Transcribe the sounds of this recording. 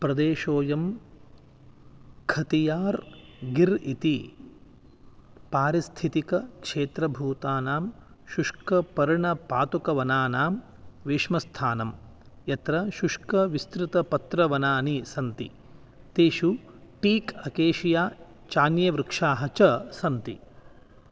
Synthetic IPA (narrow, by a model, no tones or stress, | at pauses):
pɾɐd̪eːʃoːjɐm | kʰɐt̪ijaːɾ | ɡiɾit̪i | paːɾist̪ʰit̪ikɐkʂeːt̪ɾɐbʱuːt̪aːnaːm | ʃuʂkɐpɐɾɳɐpaːt̪ukɐʋɐnaːnaːm | ʋeːʂmɐst̪ʰaːnɐm | jɐt̪ɾɐʃuʂkɐʋist̪ɾɪt̪ɐpɐt̪ɾɐʋɐnaːnisɐnt̪ḭ | t̪eːʃu | ʈiːkɐkeːʃijaː | t͡ʃaːnjɐʋɾɪkʂaːɦɐt͡ʃɐsɐnt̪ḭ